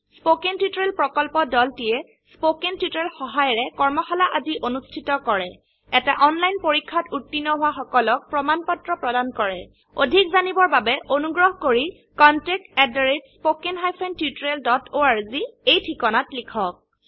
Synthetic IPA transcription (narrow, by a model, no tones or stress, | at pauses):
spokentjiutɔɹelpɹɔkɔlpɔdɔltijɛ | spokentjutɹelxɔɦajɔɹɛkɔɹmɔxɔlaʔaziʔonustʰitɔkɔɹɛ | ɛtaʔɔnlajnpoɹikʰːatutːinːɔɦʊwaxɔkɔlɔk̚pɹɔmanpɔtɹɔpɹɔdankɔɹɛ | odʱikzanibɔɹbabɛʔonuɡɹɔɦkoɹi | kɔntɛk̚tɛdɔɹitspokenɦajpʰentjutɹeldɔtoaɹziejtʰikɔnatlikʰɔk̚